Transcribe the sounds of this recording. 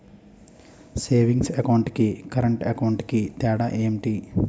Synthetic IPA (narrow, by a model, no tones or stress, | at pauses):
seːʋiŋɡsɐkɐwɳʈkikɐɾɐɳʈɐkɐwɳʈkit̪ɛːɽaːʔeemʈi